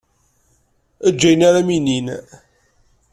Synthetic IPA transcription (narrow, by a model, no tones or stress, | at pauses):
æd͡ʒːæjnaɾæminin